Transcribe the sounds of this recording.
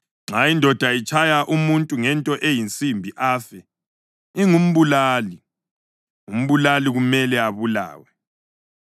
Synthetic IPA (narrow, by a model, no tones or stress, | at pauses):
ŋ͡ǁaindʱɔd̥ʱait͡ʃʼʰajaʔumuntʼuŋɛntʼɔʔejint͡sʼimbʱiʔaːfɛ | iŋum̩βulaːli | ŋum̩βulaliɣumɛlɛaβula̰ːwɛ